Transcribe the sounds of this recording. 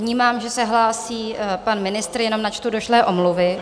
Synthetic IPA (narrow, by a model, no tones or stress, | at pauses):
ɲiːmaːmʒɛsɛɦlaːsiːpanmɪnɪst̪ɾjɛno̞mnat͡ʃt̪udo̞ʃlɛːʔo̞mluvɪ